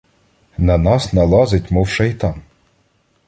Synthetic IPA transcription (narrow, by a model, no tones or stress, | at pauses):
nɐnɑsnɐlˠɑzɪtʲmuwʃɐjt̪ɑn